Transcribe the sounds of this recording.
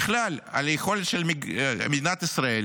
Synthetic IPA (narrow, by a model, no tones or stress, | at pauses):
χlala̰lexo̞let̪ʃelmmed̪inat̪isʁael